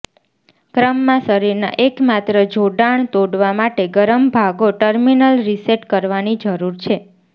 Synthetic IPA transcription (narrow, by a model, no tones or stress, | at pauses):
kɾəmːãsəɾiɾna̰ʔekmat̪ɾəd͡ʒoɖaɳ̃t̪oɽʋamaʈeɡəɾəmbʱaɡoʈəɾminəlɾiseʈkəɾʋanid͡ʒəɾuɾt͡ʃʰe